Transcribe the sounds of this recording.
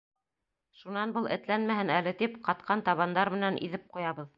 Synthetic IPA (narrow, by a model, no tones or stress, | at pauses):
ʃunɑnbɤlˠʔɘ̰̆t̪lænmæhɘnælɘt̪ipqɑt̪qʰɑnt̪ɑβɑnd̪ɑɾmɘ̆nænʔḭðɘp̚qujɑβɤð